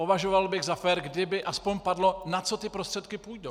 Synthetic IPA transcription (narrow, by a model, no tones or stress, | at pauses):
povaʒo̞valbɪɣzafɛɾɡdɪbɪʔaspo̞ɲpadlo̞nat͡so̞t̪ɪpɾost̪r̥ɛt̪kɪpujdow